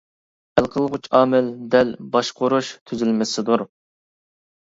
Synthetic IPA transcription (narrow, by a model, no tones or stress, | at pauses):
ælˠqʰəlˠʁʊt͡ʃʰɑːmɪld̪ɛlbɑʃqʰoɾuʃt̪ʰyzɪlmɪsɪd̪uɾ